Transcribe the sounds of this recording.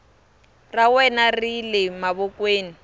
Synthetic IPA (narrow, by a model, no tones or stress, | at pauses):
rawɛnarilɪmaβɔkweːni